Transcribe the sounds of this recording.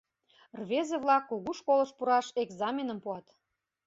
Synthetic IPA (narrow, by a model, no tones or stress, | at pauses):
rβezeβlɑkːuɣuʃkolɤ̆ʃpuɾɑʃeɡzɑmʲenəmpuɑt̪